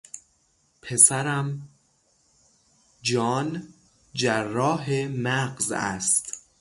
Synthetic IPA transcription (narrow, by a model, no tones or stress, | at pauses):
pʰe̞sæɾæm | d͡ʒɒːn | d͡ʒæɾːɒːɦemæɢzæ̰st̪